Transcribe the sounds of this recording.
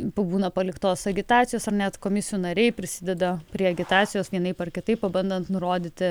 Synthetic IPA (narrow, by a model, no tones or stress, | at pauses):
pbuːnɐpɐlʲɪkt̪oːsɐɡʲɪt̪ɑːt̪sʲɪjoːsɐrnʲɛt̪koːmʲɪsʲɪjunɐɾʲɛɪpʲɾʲɪsʲɪd̪ʲɛd̪ɐpʲɾʲiɛɐɡʲɪt̪ɑːt̪sʲɪjoːsʋʲiɛnɐɪpɐrkʲɪt̪ɐɪppɐbɐnd̪ɐnt̪nʊɾoːd̪ʲɪt̪ʲɪ